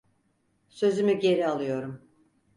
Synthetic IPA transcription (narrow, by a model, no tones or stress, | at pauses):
sø̞zymyɟe̞ɾialˠɯjo̞ɾum